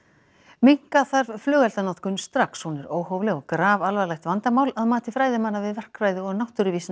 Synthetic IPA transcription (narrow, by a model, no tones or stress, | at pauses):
miŋ̥kaθaɾvflʏːɣɛlt̪anat̪kʏnst̪ɾakshunɛɾoːwɦɔwvlɛɣɔkɾaːvalvalajxt̪vant̪amaːwlaðmaːt̪ɪfɾaːjðɪmanːavɪðvɛr̥kɾajðɪɔɣnawht̪ʏɾʏviːsn